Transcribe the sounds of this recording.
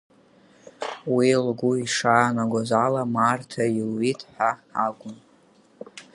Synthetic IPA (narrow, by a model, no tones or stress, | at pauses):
wilɡʷuiʂaːnaɡʷazalamartʰailɥitʰħʷaaɡʷʊn